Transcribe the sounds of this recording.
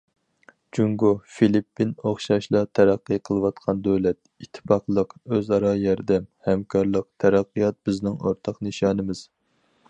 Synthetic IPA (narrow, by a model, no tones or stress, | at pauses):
d͡ʒuŋɡufilipːinoχʃɑʃlˠɑt̪ʰɛɾæqːɨqʰəlˠɨwɑt̪qʰɑnd̪øwlɛt̪̚ | it̪ʰːɪ̥pɑqlˠəqøzɑɾɑjɛɾd̪ɛmhɛmkʰɑɾlˠəq̚t̪ʰɛɾæqːijɑt̪̚bɪznɪŋo̰ɾt̪ʰɑqnɨʃɑːnɨmɪz̥